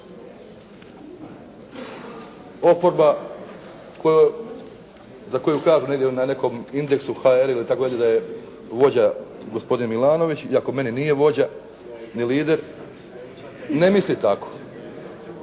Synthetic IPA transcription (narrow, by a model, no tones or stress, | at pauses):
o̞po̞ɾba | kojo | zako̞jukaːʒuneɡd̪jenane̞ko̞mind̪e̞ksuxaeɾilit̪akod̪alʲed̪aje̞ | ʋo̞d͡ʑa | ɡosp̞d̪inemilˠaːno̞ʋit͡ɕiako̞me̞ninije̞ʋo̞d͡ʑa | niliːd̪e̞ɾ | ne̞mislit̪ako̥